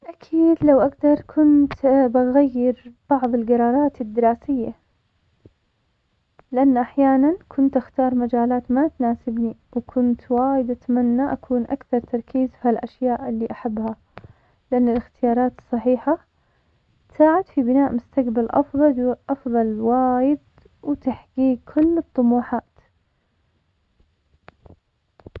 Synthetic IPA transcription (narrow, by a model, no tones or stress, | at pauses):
ʔakʰiːd̪lawʔaɡd̪ɑɾˤkʰʊnt̪baɣajːɪɾb̥ɑʕðˤɪlɡɑɾˤɑːɾˤɑːt̪ɪd̪ːɪɾˤɑːsɪjːa | lɪʔanːʔaħjaːnankʰʊnt̪ʔaxt̪ɑːɾˤmad͡ʒaːlaːt̪mat̪naːsɪbniwkʰʊnt̪waːjɪd̪ʔat̪amanːaʔakʰuːnʔakθɑɾˤt̪ɑɾˤkiːzfhalʔaʃjaːʔɪlːiʔaħabːha | lɪʔanːalɪxt̪ɪjɑːɾˤɑːt̪ɨ̥sˤːɑħiːħa | t̪saːʕad̪fibɪnaːʔmʊst̪aqbalʔɑ̰fðˤɑʔɑfðˤɑlwaːjɪd̪ | wt̪aħɡiːɡ̚kʰʊlːɨt̪ˤːʊmuːħaːt̪